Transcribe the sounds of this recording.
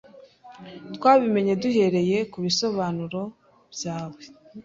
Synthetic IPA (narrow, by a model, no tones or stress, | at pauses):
twaːβime̞ɲe̞duɦe̞ɾe̞je̞kuβiso̞βaːnuɾo̞ | b̥jaːwe̞